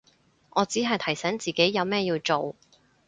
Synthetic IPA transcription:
ʔɔː˨˧t͡siː˨˥ɦɐ˨jt̪ʰɐ˨˩jsɛː˨˥ŋt͡siː˨ke˨˥jːɐ˨˧wmɛː˥jiː˧wt͡so˨w

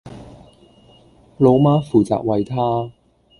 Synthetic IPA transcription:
lo˨˧wmaː˥fuː˨t͡sa̰ː˨k̚wɐ˨jt̪ʰaː˥

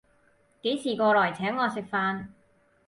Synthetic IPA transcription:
ke˨˥jt͡sʰiː˨˩kɔː˧lɔː˨˩jt͡sʰɛː˨˥ŋːɔː˨˧sɪ˨˩k̚faː˧n

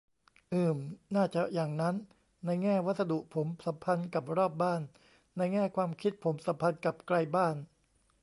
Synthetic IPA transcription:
ʔɯː˨˩mnaː˥˩t͡ɕa˨˩ʔjaː˨˩ŋna˦˥nː | a˧jŋɛː˥˩wa˦˥t̪̚sa˧du˨˩ʔpʰo˩˦msa˩˦mpʰa˧nka˨˩p̚ɾɔː˥˩p̚baː˥˩nː | a˧jŋɛː˥˩kʰwaː˧mkʰi˦˥t̪̚pʰo˩˦msa˩˦mpʰa˧nka˨˩p̚kla˧jbaː˥˩n

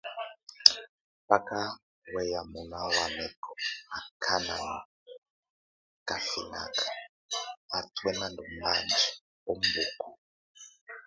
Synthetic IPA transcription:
pa˦ka˦ | wɛ˦ja˨mu˨na˦wa˨nɛ˨kʰɔ˨a˨kʰa˦na˨na˨ | ka˨fi˨na̰˨kḁ | a˨twɛ˦na˦ndu˨m̩˦ba˨nd͡ʒi˨ | o˦mbu˨ku˨

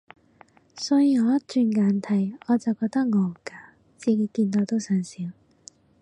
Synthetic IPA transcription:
sɔː˨˥jiː˧ŋɔː˨˧ɐ˥t͡ʃyː˧nŋaː˨˧˥nt̪ʰɐ˨˩jɔː˨˧t͡sɐ˨˩wkɔː˧k̚t̪ɐ˥k̚ŋɔː˨˩˨kaː˧ | t͡siː˨˧ki˧kiː˧nt̪o˧wt̪o˥wsœː˨˩nsiː˨˧˥w

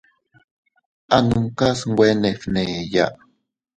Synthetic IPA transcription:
ʔa˨nu˨ŋka˦sŋwʷe˦ne˨fne˨ja̰˦ʔ

